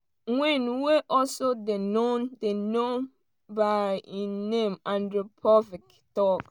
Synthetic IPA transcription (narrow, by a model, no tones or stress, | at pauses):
wɛ̃nweʔɔsodenondenõn | bainẽmãndɹupʰɔvik | tɔk